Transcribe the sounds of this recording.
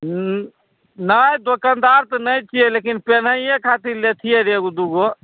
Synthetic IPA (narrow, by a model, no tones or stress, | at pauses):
nəjd̪okand̪aɾt̪ɔnəjt͡ʃʰijelekinpenəijekʰat̪iɾlet̪ʰijeɾeɡud̪uɡo